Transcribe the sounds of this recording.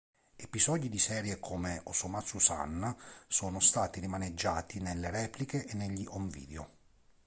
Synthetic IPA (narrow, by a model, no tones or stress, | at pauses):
epizɔːd̪id̪isɛːɾjekʰomeosomat̪susa̰nsoːnost̪aːt̪irimaned͡ʒːaːt̪inelːeɾɛːplikeʔenːeʎːiʔoɱvḭːd̪eo̰